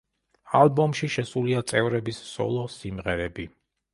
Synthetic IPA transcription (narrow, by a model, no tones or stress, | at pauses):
alˠbɔmʃiʃɛsuliat̪sʼɛvɾɛbissɔ̰lˠɔsimʁɛɾɛbi